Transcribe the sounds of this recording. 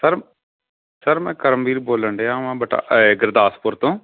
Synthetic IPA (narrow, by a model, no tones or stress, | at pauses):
səɾ | səɾmɛ̃ːkəɾəmbiːɾboːləɳɖeːãːʋãːbəʈa̰ɡɪɾd̪aːspʊɾt̪õː